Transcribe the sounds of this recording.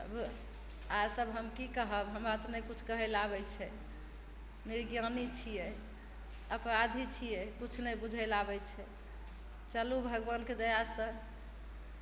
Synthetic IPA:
ə̰bʱ | aɾsəbɦəmkikəɦəbɦəmat̪nɛkut͡ʃʰkəɦɛlabɛt͡ʃʰɛ | niɡjənit͡ʃʰijɛ | əpɾad̪ʱit͡ʃʰijɛkut͡ʃʰnɛbud͡ʒʱəlabɛt͡ʃʰɛ | t͡ʃəlubʱəɡbənked̪əjasə̃

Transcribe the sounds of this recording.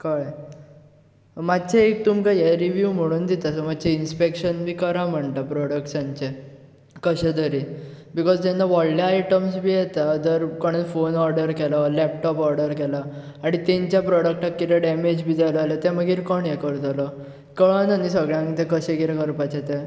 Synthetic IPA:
kəj | madt͡ɕeek̚t̪umkajeɾiʋjum̤əɽ̃uːnd̪it̪asəmad̪t͡ɕeinspekɕənbʱiːkəɾam̤əɳʈ̪apɾɔɽəkʈsãɲt͡ɕe | kəɕed̪əɾi | bikɔd͡zt̪enːaʋɔɭljaːaiʈəmsbʱiːjɛt̪ad̪əɾkəɽ̃enfonɔɾɖəɾkɛlalɛp̚ʈɔpɔɾɖəɾkɛla | aɽ̃it̪ẽɲt͡ɕjapɾɔɽək̚ʈakːit̪ɛɖɛmed͡ʑbʱiːd͡zaləalət̪ɛməɡiːɾkəɳjɛkəɾt̪alɔ | kəɭnanisəɡɭjãŋkt̪ɛ̃kəɕẽkiɾɛkəɾpat͡ɕet̪ẽ

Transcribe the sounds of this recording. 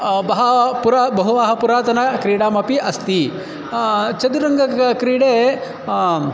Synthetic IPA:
bɐɦɐpuɾabɐɦuʋaːɦɐpuɾaːt̪ɐnɐkɾiːɽaːmɐpiʔɐst̪i | t͡ʃɐd̪uɾɐŋɡɐkɾiːɽeː

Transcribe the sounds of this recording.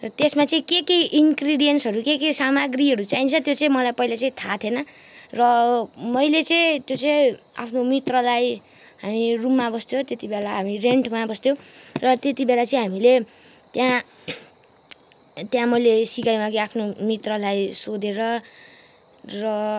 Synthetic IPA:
rʌt̪esmat͡sʌĩkekeʔinkriɖijʌnsɦʌɾukekesamaɡriɦʌɾut͡saɦint͡sʰʌt̪jot͡sʌĩmʌlajpʌilat͡sʌĩt̪ʰat̪ʰenʌ | rʌmʌjlet͡sʌĩt̪jot͡sʌĩa̰pʰnomit̪rʌlaj | ɦamirumːabʌst̪jot̪et̪ibelaɦamireɳʈmabʌst̪jõrʌt̪et̪ibelat͡sʌĩɦamile | t̪jã | t̪jãmʌjlesikajmaɡiapʰnomit̪rʌlajsod̪eɾʌ | rʌ

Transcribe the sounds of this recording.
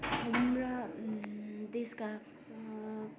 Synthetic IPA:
ɦʌmɾʌ | d̪eska

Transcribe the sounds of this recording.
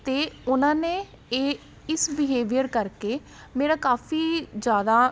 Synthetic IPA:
t̪eːʊnãːnẽː | eː | ɪsʋɪɦeːʋijəɾkəɾkeː | meːɾaːkaːfʰiːd͡ʒjaːd̪aː

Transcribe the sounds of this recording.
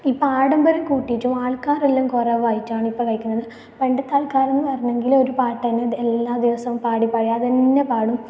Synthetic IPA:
iːpːaːɽɐmbɐɾɐmkuːʈːitːumaːɭkaːrelːumkoreʋajitːaːɳɨipːokɐjkʲːunːɐðɨ | pe̞ɳɖɐt̪ːaːlkaːɾenːɨpɐrɐɲːe̞ŋɡilo̞ɾupaːʈːɐnːeelːaːd̪iʋɐsɐʋumpaːɽipɐːɻɐjaɐðenːepaːɽum

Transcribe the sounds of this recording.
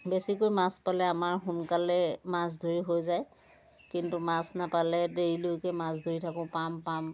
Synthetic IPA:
besikojmaspalɛamaɹxunkalɛmas̬dʱoɹiɦojzaj | kintumasnapalɛdeɹilojkɛmas̬dʱoɹitʰakʊ̃pampam

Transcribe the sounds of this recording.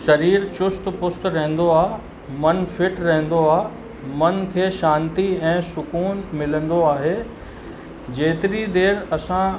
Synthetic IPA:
ʃɐɾiːɾt͡ɕʊst̪pʊst̪ɾɐɦə̃n̆d̪oaː | mɐnfɪʈɾɐɦɛ̃n̆d̪oaː | mɐnkʰeːʃãːnt̪iɛ̃ːsʊkuːnmɪlə̃n̆d̪oaːɦeː | d͡ʑeːt̪ɪɾid̪eːɾɐsã

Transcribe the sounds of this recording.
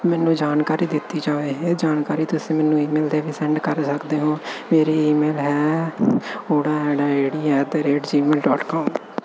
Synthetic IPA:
mɛːnũːd͡ʒaːnkaːɾiːd̪ɪt̪ːiːd͡ʒaːʋeːɦeːd͡ʒaːnkaːɾiːt̪ʊsĩːmɛːnũːiːmeːlt̪eːʋiːsɛ̃ːɳɖkəɾsəkd̪eːɦõːmeːɾiːiːmeːlɦɛː | oːɽaːeːɽaːd͡ʒeːɽiːɛːt̪eːɾeːʈd͡ʒiːmeːlɖɔːʈkɔːm

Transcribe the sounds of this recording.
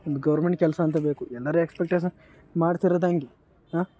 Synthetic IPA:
ond̪uɡɐʋɐɾmeɳʈ̚kɛlsɐɐnt̪ɐbeːkuɛlːɐɾuekspek̚ʈeːʃɐn | maːɖt̪iɾɐd̪aːŋɡi | ɦaː

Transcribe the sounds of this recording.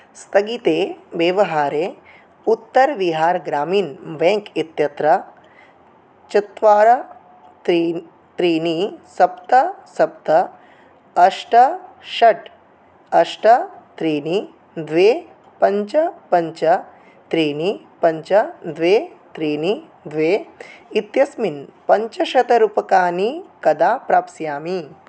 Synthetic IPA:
st̪ɐɡit̪eːʋeːʋɐɦaːɾeː | ut̪ːɐɾʋiɦaːɾɡɾaːmiːnʋẽːŋkit̪jɐt̪ɾɐ | t͡ʃit̪ʋaːɾɐ | t̪ɾi | t̪ɾiːnisɐpt̪ɐsɐpt̪ɐ | ɐʂʈɐʃɐʈ | ɐʂʈɐt̪ɾiːni | d̪ʋeː | pɐɲt͡ʃɐpɐɲt͡ʃɐ | t̪ɾiːni | pɐɲt͡ʃɐd̪ʋeː | t̪ɾiːni | d̪ʋeːit̪jɐsminpɐɲt͡ʃɐʃɐt̪ɐɾupɐkaːnikɐd̪aːpɾaːpsjaːmi

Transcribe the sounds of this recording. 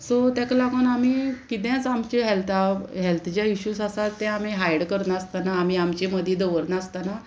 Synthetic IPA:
sot̪jaklakonam̤iːkit̪̬jãt͡samt͡ɕiɦɛlt̪ʰaɦɛlt̪ʰd͡ʑjaiɕuːsasat̪ːɛ̃am̤iɦajɽkəɾnast̪anaːm̤iamt͡ɕiməd̪ʱjid̪əʋəɾnast̪ana

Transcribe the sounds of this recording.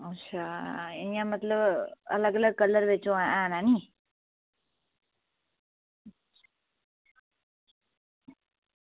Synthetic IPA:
ətːʃʰaːinjãːmət̪ləbə̰ləɡələɡ̚kəlːəɾʋet͡ʃõaãːnaːni | a

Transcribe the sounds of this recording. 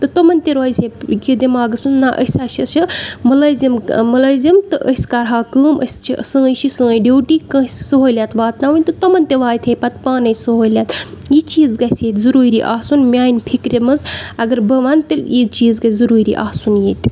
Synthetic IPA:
t̪ɨt̪omɐnt̪eɾoːjsʲʰeɡid̪emaːɡɨsɨnnaʔə̰sʲaʃit͡ʃimɨlɐzʲimmɐlɐːzimt̪ɨʔəsʲkaɾɦaːkɨːmʔə̰sʲt͡ʃʰisɨ̃ːjʃʰisɨ̃ːjɖewʈikɐ̃sʲsɨɦoːlʲjat̪ʋaːt̪nawɨnʲt̪ɨt̪omɐnt̪eʋaːt̪ʰepɐt̪paːnɐjsɨɦoːlʲat̪jit͡ʃiːzɡɐseːt̪zɨɾuːɾiʔaːsunmʲaːinpʰikɾemɐzɐɡɐɾbɐʋant̪ɨljit͡ʃiːzɡɐzɐɾuːɾḭʔaːsunjeːt̪ʲ

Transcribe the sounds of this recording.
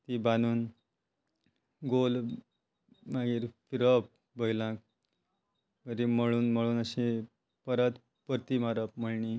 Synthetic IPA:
t̪ibanuːn | ɡol | maɡiɾpʰiɾʌp̚ | bʱəjlãk̚ | kəɾimʌɭuːnmʌɭuːnəsĩ | pəɾət̪ | pəɾt̪imaɾʌp̚mʌɭni

